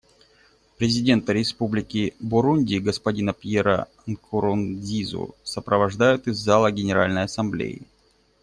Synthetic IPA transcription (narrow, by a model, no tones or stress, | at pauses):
pɾʲɪzʲɪdʲe̞nt̪əɾʲɪspublʲɪkʲɪbʊɾunʲdʲɪɡəspɐdʲinəpʲjeɾə̰ | nkʰʊɾʊndʲizʊ̰səpɾəvɐʐd̪ajʊt̪ɨzːalˠəɡʲɪnʲɪɾalʲnəjɐsɐmblʲḛjɪ̰